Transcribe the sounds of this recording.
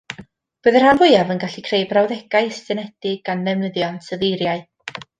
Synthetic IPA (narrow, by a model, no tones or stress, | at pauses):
b̥ɨðər̥hanvʊɨavənɡaɬikʰrejbrawðɛɡ̥aɨstɨnɛd̥ɪɡ̚anːɛvnəðjɔnsʰəðejɾjaɨ